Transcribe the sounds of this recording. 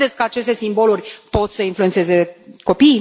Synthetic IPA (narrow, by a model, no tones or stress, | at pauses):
et̪sʲkəat͡ʃe̞st̪e̞simbo̞lurʲpo̞t̪səinfluet̪seze̞ko̞pij